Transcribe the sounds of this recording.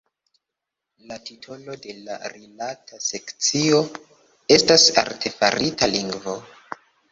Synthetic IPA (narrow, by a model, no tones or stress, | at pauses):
latitʰo̞lo̞de̞la̰ɾilatʰase̞kt͡sio̞ | e̞stasa̰ɾtʰe̞fa̰ɾitaliŋɡvo̞